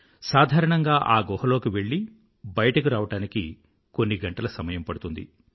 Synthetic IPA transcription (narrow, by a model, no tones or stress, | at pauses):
saːd̪ʱaːɾɐɳɐŋɡaːʔaːɡɔːhɐlo̞ːkiʋe̞ɭːi | bɐjɐʈɐkiɾaːʋɐʈaːniki | ko̞nːiɡɐɳʈɐlɐsɐmɐjɐmpɐɽut̪und̪ḭ